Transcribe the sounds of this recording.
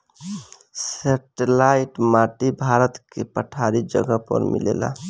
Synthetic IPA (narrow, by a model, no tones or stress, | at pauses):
seʈelaiʈmaʈibʱaɾət̪kepəʈʰaɾid͡ʒə̰ɡəpə̰ɾmḭlḛla̰